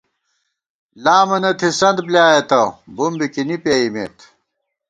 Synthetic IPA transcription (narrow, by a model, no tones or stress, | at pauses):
laːmɐnɐt̪ʰisɐnd̪bljaːjɐt̪ɐbumbikinipjeimḛt̪